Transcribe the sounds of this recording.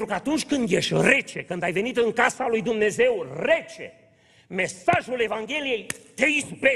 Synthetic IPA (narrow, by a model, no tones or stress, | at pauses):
t̪ɾukəat̪unt͡ʃʲkɨnd̪jeʃt̪ʲre̞t͡ʃe̞kɨnd̪ajve̞nit̪ɨŋkasalujd̪umne̞ze̞wre̞t͡ʃe̞̰ | me̞saʒule̞vaŋɡʲe̞lije̞jt̪e̞ispɾe